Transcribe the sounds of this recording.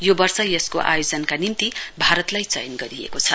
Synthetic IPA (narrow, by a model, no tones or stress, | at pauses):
jobʌrsʌjʌskoʔa̰jod͡zʌnkanimt̪ibʱaɾʌt̪lajt͡sʌjʌnɡʌɾiḛkot͡sʰʌ